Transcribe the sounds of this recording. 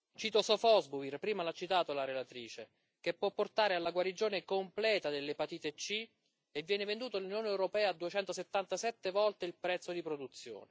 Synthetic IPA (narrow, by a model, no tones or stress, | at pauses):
t͡ʃiːt̪osɔfɔzbuvirpɾiːmalat͡ʃːit̪aːt̪olaɾelat̪ɾiːt͡ʃe | kepːwɔpːort̪aːɾealaɡwaɾid͡ʒoːnekomplɛːt̪ad̪elːepat̪iːt̪et͡ʃːi | evːjɛːnevend̪uːt̪olunjoːnɛwɾopɛːaːd̪uet͡ʃɛnt̪oset̪ːant̪asɛt̪ːevɔlt̪eilpɾɛt̪sːod̪ipɾod̪ut̪sːjo̰ːne